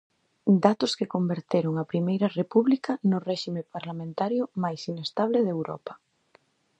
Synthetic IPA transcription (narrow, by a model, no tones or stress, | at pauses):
d̪at̪ʊskekombeɾt̪eɾʊŋapɾimejɾɐrepuβlikɐnʊrɛʃimepaɾlamẽnt̪aɾjʊmajsinest̪aβ̞leðewɾɔ̰pɐ̥